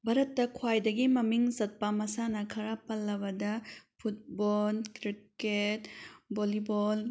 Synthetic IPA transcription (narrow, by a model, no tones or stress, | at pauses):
bɐɾɐtːɐkʰwajdɐɡimɐmiŋzɐt̚pɐmɐsanɐkʰɐɾapɐlːɐbɐdɐpʰut̚bɔlkɾiketbolibol